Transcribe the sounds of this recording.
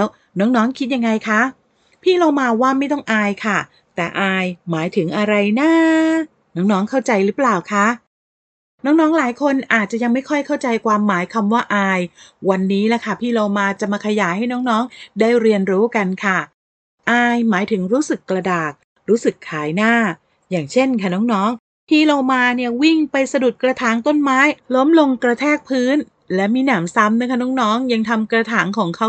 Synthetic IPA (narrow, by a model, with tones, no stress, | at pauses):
ɛ˦˥w | nɔː˦˥ŋnɔː˦˥ŋkʰi˦˥ja˧ŋːa˧jkʰa˦˥ | pʰiː˥˩loː˧maː˧waː˥˩ma˥˩jt̪̬ɔ˥˩ŋʔaː˧jkʰa˥˩ | t̪ɛː˨˩ʔaː˧jmaː˩˦jt̪ʰɯ˩˦ŋʔa˧ɾa˧jnaː˥˩ | nɔː˦˥ŋnɔː˦˥ŋkʰa˥˩wt͡ɕa˧jɾɯ˦˥plaː˨˩wkʰa˦˥ʔ | nɔː˦˥ŋnɔː˦˥ŋlaː˨˩˦jkʰo˧nʔaː˨˩t̪̚t͡ɕa˨˩ja˧ŋma˥˩jkʰɔ˥˩jkʰa˥˩wt͡ɕa˧jkwaː˧mːaː˨˩˦jkʰa˧mwaː˥˩ʔaː˧jwa˧nːiː˦˥lɛ˧˩kʰa˥˩pʰiː˥˩loː˧maː˧t͡ɕa˨˩ʔmaː˧kʰa˧jaː˩˦jɦa˥˩jnɔː˦˥ŋnɔː˦˥ŋdaː˥˩jɾi˧ənɾuː˦˥ka˧nkʰa˥˩ | ʔaː˧jmaː˩˦jt̪ʰɯ˩˦ŋɾuː˦˥sɯ˨˩kːɾa˧daː˨˩k̚ | ɾuː˦˥sɯ˨˩kʰːaː˩˦jnaː˥˩ | jaː˨˩ŋt͡ɕʰe˥˩nkʰa˥˩nɔː˦˥ŋnɔː˦˥ŋ | pʰiː˥˩lo˧wmaː˧ni˥˩ɐwi˥˩ŋpa˧jsa˧du˨˩t̪̚kɾa˧t̪ʰaː˩˦ŋt̪o˥˩nmaː˦˥jlo˦˥mlo˧ŋkɾa˧t̪ʰɛː˥˩k̚pʰɯː˦˥n | lɛ˦˥miː˧naː˩˦msa˦˥mna˦˥kʰa˥˩nɔː˦˥ŋnɔː˦˥ŋja˧ŋt̪ʰa˧mkɾa˧t̪ʰaː˩˦ŋkʰɔː˩˦ŋkʰa˦˥w